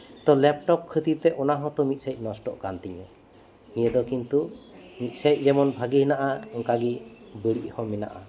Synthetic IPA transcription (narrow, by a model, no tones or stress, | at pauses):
t̪ɔlɛp̚ʈɔpkʰːət̪iɾt̪ɛʔɔnaɦɔ̃t̪ɔmit̪̚sajc̚nɔsʈɔʔkant̪iɲɛ | iɲɛd̪ɔkint̪umit̪̚ˀsajc̚ˀd͡ʒɛmɔnbʱaɡiɦinaʔaɔŋkaɡibəɽiʔˀhɔ̃mɛna̰ʔa̰